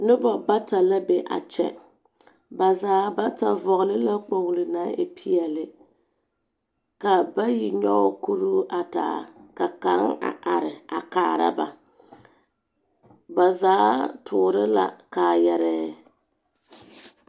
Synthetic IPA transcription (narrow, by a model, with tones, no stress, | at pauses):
nʊ˦bɔ˨ba˦ta˨la˦be˨ʔa̰˨t͡ʃɛ̰˨ | ba˨zaː˨˦ba˦ta˨vɔ˨ɣʊ˨lɪ˦la˦k͡po˨ŋ˨lɨ˨na˨˦ʔɪ̰˨pʰi˦ɛ˨lɪ˦ | ka˨ba˦ji˨ɲɔ˦˨ku˦ɾu˦ʔa˨ta̰ː˨ka˨ka˨˦ŋa̰˨ʔa˨ɾɪ˨a˨kaː˨˦˨ɾa̰˦ba̰˨ | ba˨zaː˨˦tʰʊː˨ɾɪ˦la̰˨ka˨jɛ˨ɾɛ˦